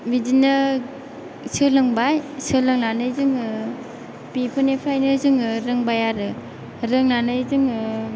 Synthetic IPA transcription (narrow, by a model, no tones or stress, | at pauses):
bidinɯ | sɯlɯŋbajsɯlɯŋnanɯjzɯŋɯ | pipʰɯnepʰɾajnɯzɯŋɾɯŋbajaɾɯ | ɾɯŋnanɯjzɯŋɯ